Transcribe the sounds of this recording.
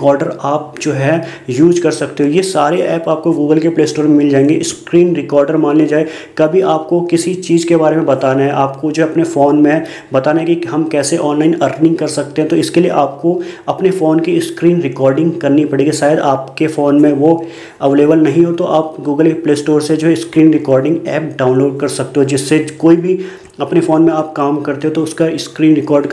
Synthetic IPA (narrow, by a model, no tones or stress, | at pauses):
kɔːɾɖəɾaːp̚d͡ʒoːɦɛ | juːd͡ʒkɐɾsɐkt̪eɦõjesaːɾeʔɛːpaːp̚koɡuːɡəlkepleːsʈoːɾmẽmɪld͡ʒaːẽːŋɡeɪskɾiːnɾɪkɔːɾɖəɾmãːnled͡ʒaːe | kɐbʱiʔaːp̚kokɪsit͡ʃiːzkebaːɾemẽbɐt̪aːnaɦɛʔaːpkod͡ʒoːɦɛɐpnefoːnmẽ | bɐt̪aːnaɦɛkiɦɐmkɛːseʔɔːnlaːɪnɐɾknɪ̃ŋɡ̚kɐɾsɐk̚t̪ẽɦɛ̃t̪oɪskeliḛʔaːp̚koɐpnefoːnkiskɾiːnɾɪkɔːɾɖɪ̃ŋɡkɐɾnipɐɽeːɡiʃaːjəd̪aːpkefoːnmẽʋo | ɐʋleːbəlnɐɦĩɦot̪oʔaːp̚ɡuːɡəlpleːsʈoːɾsed͡ʒoːɦɛɪskɾiːnɾɪkɔːɾɖɪ̃ŋɡɛːp̚ɖaːʊ̃nloːɖ̚kɐɾsɐk̚t̪eɦod͡ʒɪsːekoːibʱi | ɐpnefoːnmẽaːp̚kaːmkɐɾt̪eɦõt̪oʊskaɪskɾiːnɾɪkɔːɾɖ